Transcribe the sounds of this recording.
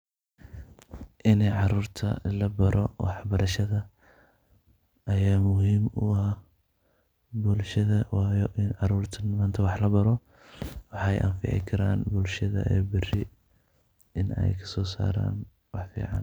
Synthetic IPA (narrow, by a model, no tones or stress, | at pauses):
ʔɪnɛʕɑɾuːrt̪ʰɐ̰lɐbɐɾʔɔwʔɑ̰ħbɐɾɐʃɐðɐ | ɐjaːmʊhiːmʊ̰ | bʊlʃɐðɐwɑːjɔʔɪnʕɑɾuːrt̪ʰɐnmaːnt̪ʰɐwɑħlɐbɐɾɔ | wɑħɑɛ̰jʔɐ̰nfɪ̰ʕɪ̰kʰɐɾaːnbʊlʃɐðɐ̰ʔɛ̰ːbɪrɪ | ɪnɛ̰jkʰɐ̥sɔːsa̰ːɾa̰ːn | wɑħfḭːʕɑ̰ːn